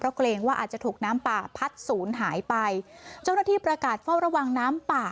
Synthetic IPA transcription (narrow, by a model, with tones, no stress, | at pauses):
pʰɾɔ˦˥kʰleː˧ŋwaː˥˩ʔaː˨˩t̪̚t͡ɕa˨˩t̪ʰuː˨˩k̚naː˦˥mpaː˨˩pʰa˦˥t̪̚suː˩˦nɦaː˩˦jpa˧jt͡ɕa˥˩wnaː˥˩t̪ʰiː˥˩pɾa˧kaː˨˩t̪̚fa˥˩wɾa˧wa˧ŋnaː˦˥mpaː˨˩